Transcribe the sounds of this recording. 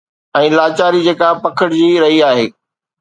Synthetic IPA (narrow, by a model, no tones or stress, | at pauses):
ɛ̃ːlaːt͡ɕaːɾid͡ʑeːkapɐkʰəɽd͡ʑiːɾɐɦiaːɦeː